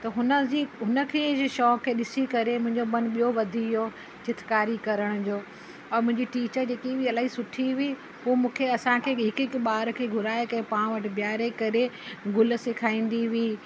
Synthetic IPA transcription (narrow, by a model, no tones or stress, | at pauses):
t̪ɐɦʊnəd͡ʑiɦʊnə̆kʰeːʃɔːkʰeːɗɪsikɐɾemʊ̃ɦɪ̃ɲd͡ʑobɐnɓijoʋɐd̪ʱijoː | t͡ɕɪt̪ʰkaːɾikɐɾəɽ̃ʊd͡ʑoː | ɔːɾmʊ̃ɦɪ̃ɲd͡ʑiʈiːt͡ɕəɾd͡ʑeːkibiɐlaːɦisʊʈʰiʋi | ɦuːmũːkʰeɐsãkʰeːɦɪkɪkɓaːɾkʰeːɡʱʊɾaːekɐ̃ẽpãːɽ̃ʋɐʈɪ̆bjaːɾekɐɾeɡʊl̆sɪkʰaːĩːn̆d̪iʋiː